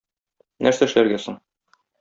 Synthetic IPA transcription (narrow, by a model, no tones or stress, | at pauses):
næɾsæɘ̆ʃlæɾɡæsoɴ